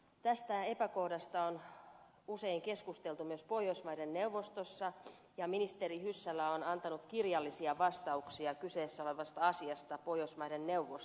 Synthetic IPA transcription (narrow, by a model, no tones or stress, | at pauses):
t̪æst̪æe̞pæko̞hdɑst̪ɑon | useiŋke̞skust̪e̞lt̪umyøspo̞josmɑjdenːe̞uʋːost̪osːɑ | jɑminist̪eɾihysːælːæonɑnt̪ɑnut̪kirjɑlːisiɑʋɑst̪ɑuksiɑkyse̞ːsːæoleʋɑst̪ɑɑsiɑst̪ɑpojosmɑjdenneuʋos